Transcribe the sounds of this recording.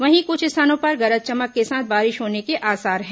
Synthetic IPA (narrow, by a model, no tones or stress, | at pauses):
ʋɐɦĩkʊt͡ʃʰɪsaːnõpɐɾɣɐɾət̪̚t͡ʃɐməkːesaːt̪̚ʰbaːɾɪʃɦoːnekeʔaːsaːɾɦɛ̃ː